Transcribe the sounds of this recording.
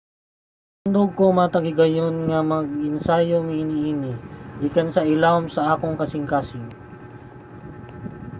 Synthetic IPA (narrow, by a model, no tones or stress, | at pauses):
and̪oɡ̚komɐt̪ɐɡɪɡɐjonŋɐmɐɡ̚ɪnsajoŋinɪʔinɪʔikɐnsɐʔɪlawmsɐʔaːkoŋkɐsɪŋkaːsɪŋ